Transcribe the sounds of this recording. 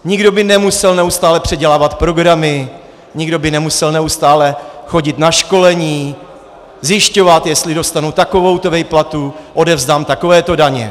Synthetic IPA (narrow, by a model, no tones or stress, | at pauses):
ɲɪɡdo̞bɪnɛmusɛlnɛust̪aːlɛpr̝̥ɛɟɛlaːvat̪pɾo̞ɡɾamɪ | ɲɪɡdo̞bɪnɛmusɛlnɛust̪aːlɛxo̞ɟɪt̪naʃko̞lɛɲiː | zjɪʃco̞vat̪jɛst̪lɪdo̞st̪anut̪ako̞vo̞wt̪ovɛjplat̪uʔo̞dɛvzdaːmt̪ako̞vɛːt̪o̞daɲɛ̰